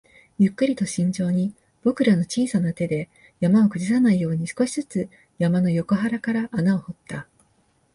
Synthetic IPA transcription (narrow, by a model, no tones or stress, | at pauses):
jɯ̟kːɯ̟ɾʲit̪o̞ɕĩɲ̟d͡ʑo̞ːɲ̟i | b̥o̞kɯ̟ɾano̞t͡ɕiːsanat̪e̞d̪e̞ | jamao̞kɯ̟d͡ʑisanaijo̞ːɲ̟isɨ̥ko̞ɕi̥zɨt͡sɨ | jamano̞jo̞ko̞ɦaɾakaɾaʔːnao̞ho̞t̪ːa